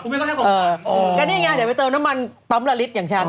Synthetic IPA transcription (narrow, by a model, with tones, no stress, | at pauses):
ʔɤː˧kaː˧˩niː˦˥˩ŋaː˧˩di˨˩˦pjt̪ɤː˧mna˦˥ma˧npa˦˥mla˧li˦˥t̪̚jaː˨˩ŋt͡ɕʰa˦˥˩n